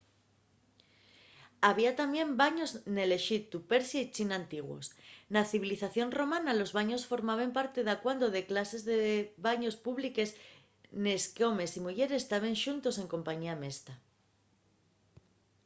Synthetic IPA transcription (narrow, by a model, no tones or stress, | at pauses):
aβ̞iat̪ambje̞mbaɲo̞zne̞le̞ʃit̪upe̞ɾsjait͡ʃinant̪iɣwo̞̰snaθiβiliθaθjo̞nro̞mãnalo̞zβaɲo̞sfo̞ɾmaβ̞e̞mpaɾt̪e̞ðakwand̪o̞ðe̞klase̞zðe̞βaɲo̞spuβlike̞s | ne̞skeo̞me̞simuʝe̞ɾe̞st̪aβ̞e̞nʃunt̪o̞se̞ŋko̞mpaɲiame̞st̪a